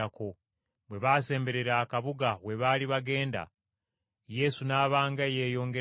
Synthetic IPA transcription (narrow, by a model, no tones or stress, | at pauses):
ako | βwe̞βase̞ːmbe̞ɾe̞ɾaːkaβuɡawe̞βaːliβaɡe̞ːnda̰ | je̞sunaːβaːŋɡajeːjo̞ːŋɡe